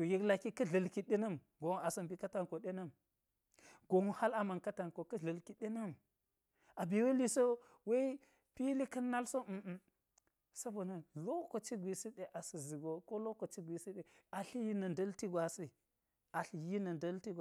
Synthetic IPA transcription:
o˨ji˦kla˨ki˦kɐ˦ɮɐ˨lki˨ɗe˦nɐ˦m | ɡo˨ŋ˦a˨sɐ˨mbi˨kɐ˦ta˨nko˨ɗe˦nɐ˦m | ɡo˨ŋo˦ha˦la˨ma˨nkɐ˦ta˨nko˨kɐ˦ɮɐ˨lki˨ɗe˦nɐ˦m | a˨bi˨we˦li˨so˦ | we˦i˦ | pi˦li˦kɐ˦nːa˦lso˦˨ | sɐ˦bo˨nɐ˦lo˦ko˨t͡ʃi˦ɡʷi˨si˦ɗe˨ʔa˨si˨zi˨ɡo˨ko˦lo˦ko˨t͡ʃi˦ɡʷi˨si˦ɗe˨a˨ɬi˦ji˦nɐ˨ndɐ˦lti˦ɡʷa˨si˦ | a˨ɬji˦nɐ˨ndɐ˦lti˦ɡ

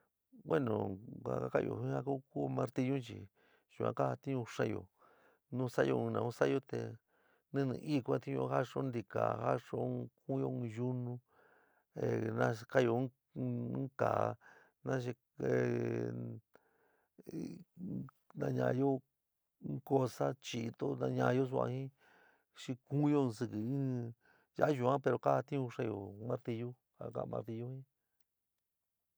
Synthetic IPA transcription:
we˦nõ˨a̰˨ka˦ka˦˨jo̰˧˨ĩ˦ha˦ku˦ku˦mã˧ɾt̪i˧ɲũ˦t͡ʃḭ˨ | ʒ̥u˧ã̰˧ka˦a˧t̪ĩ˦ɲũ˧ʂa˦jo̰˧˨ | nũ˦˧sa˦jõ˧nã˨˧ũ˦sa˦jo˦t̪e˧ | nĩ˦˧nĩ˧˨ʔi˦˧ku˧ã˧t̪ĩ˦ɲõ̰˧˦ha˦ʂo˦nd̪i˧ka̰˨ha˦ʂo˦˧ku˦jo˦˧ju˦nũ˦ | e˨nã˧˦˧ka˦jo˧˦ | ka˨˧ | nã˦ʃ̬e˧ | e˧ | nã˧ɲã̰˧jo˦˧˦ | ko˧sa˦t͡ʃi˨˧t̪o˦nã˧ɲã˧jo˦s̬u˧a̰˧hĩ˦ | ʂi˧kũ˦jo˧sɨ˧kɨ˧ĩ˦ | ja˦ʒu˨˧˨ã˦pe˧ɾo˧ka˦˧t̪ĩ˦ũ˧ʂa˧jo̰˧˨mã˦ɾt̪i˧ju˦ | a̰˧ka̰˧mã̰˧ɾt̪i˧ju˦hĩ˦

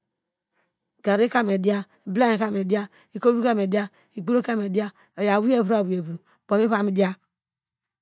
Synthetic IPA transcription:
ɡa˨ɾe˦ka˦m˨e˨di˦a˦˨bla˦e˨ka˦m˨e˨da˦ | i˨ko˦u˦ka˦˨m˨e˨di˦a˦ | i˨ɡu˦ɾo˦ka˦˨me˨di˦a˦ | o˨ja˨wu˦e˦˨bu˦a˨wu˨je˨bu˨ɾo˨b̥o˨mi˦βa˦˨mi˦di˦a˦

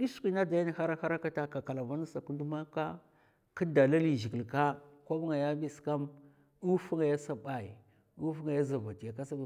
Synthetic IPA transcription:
di˦su̥˦kʷi˦na˦da˨ja˦ni˨ha˦ɾa˦ha˦ɾa˦ka˦ta˦ka˨ka˨la˨va˦na˦sa˨ku˦ndu˦ma˦ka˦ | ki˦da˨la˦li˨ʒi˨ɡi˨lka˦kʷa˦bu˦ŋa˨ja˦bi˦ska˦m | u˦fu˦ŋa˨ja˦sa˦ba˨i˨ | u˦fu˦ŋa˨ja˦za˨va˨ti˨ja˨ka˦sa˦˨

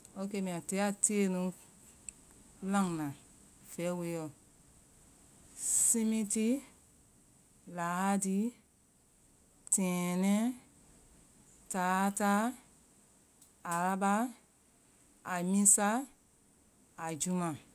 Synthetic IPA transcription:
o˧˦ke˧˦mĩ˨ã˨te˨˦a˨tʰe˦nũ˧˦ | lã˦˨ŋnã˨ | fɛ˨˦we˨˦jɔ˨ | sĩ˦mĩ˦ti˦ | laː˨˦a˦di˦ | tʰɛ̃ː˨nɛ̃˦ | taː˨˦ta˦ | a˨la˧ba˦ | a˨mĩ˦sa˦˨ | d͡ʒu˦mã˨

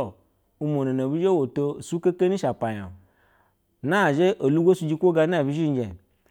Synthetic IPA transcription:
u˧mo˨no˨no˨bi˦d͡ʒe˦wo˨to˧˨su˦ke˦ke˦ni˦ʃa˨pa˨ja̰˨ | na˦˨ʒe˦ʔo˨lu˦ɡʷo˦su˨˦d͡ʒi˧kʷo˦ɡa˧na˦˨bi˦ʒi˦n˦d͡ʒe˨n˨

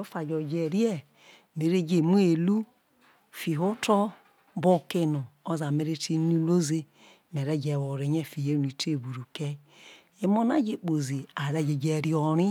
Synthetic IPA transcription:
o˦fa˨d͡ʒɔ˨d͡ʒe˨ɾi˦ɛ˦ | me˨ɾe˦d͡ʒe˨mu˦e˨lu˦ | fi˨ɦo˦tɔ˦ | bo˦˨ke˦nu˨o˦za˨me˨ɾe˦ti˦nu˦lo˦ze˦ | me˨ɾɛ˦d͡ʒɛ˨wo˨ɾe˨ɲe˦˨fi˨je˦˨i˨te˦˨bu˨ɾu˨ke˦ | e˦mo˦na˦d͡ʒe˨k͡po˨zi˨a˨ɾɛ˦d͡ʒe˨d͡ʒe˨ɾi˦ɔ˨ɾi˦

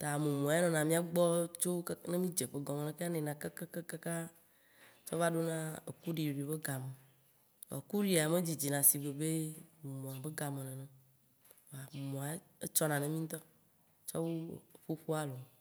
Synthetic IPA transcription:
t̪a˨mẽ˨mɔ̃˨a˨e˦nɔ̃˨nã˨mĩ˦a˦ɡ͡bɔ˦t͡ʃo˦knẽ˦mĩ˦d͡ʒe˨k͡pe˨˦ɡɔ̃˨mẽ˨lẽ˨ke˦a˦nẽ˨nã˨ke˦ke˦ke˦ka˦ka˦ | t͡ʃɔ˦va˦ɖo˦nã˦ḛ˨ku˦ɖi˨o˨ɖi˨be˦ɡa˨mẽ˨ | ɔ̰˨ku˦ɖi˦a˨mẽ˦d͡ʑi˨d͡ʑi˨nã˨si˨be˨be˦m˨mõ˨a˨be˦ɡa˨mẽ˨lẽ˨nɛ̃˨ | a˨mɔ̃˨a˨˦ | e˦t͡ʃɔ˦nã˨nẽ˦mĩ˦t̪ɔ˦ | t͡ʃɔ̰˦wo˦˨ɸo˦ɸo˦a˦lo˨

